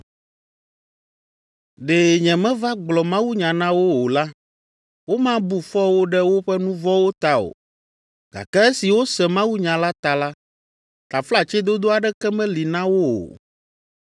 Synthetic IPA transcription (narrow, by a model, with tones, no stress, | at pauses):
ɖe˨ɲɛ̃˨mɛ̃˦va˦ɡ͡blɔ˨mã˦wu˦ɲã˨nã˦wo˦o˨la˦ | wo˦mã˦bu˦fɔ˦wo˦ɖɛ˦wo˦ɸɛ˦nũ˦vɔ˦wo˦t̪a˦o̰˨ | ɡ̥a̰˨kɛ˦e˦si˨wo˦sɛ˨mã˦wu˦ɲã˨la˦t̪a˨la˦ | t̪a˨fla˦t͡ʃɛ˦d̪o˦d̪o˦a˨ɖɛ˦kɛ˦mɛ̃˦li˨nã˦wo˦o̰˨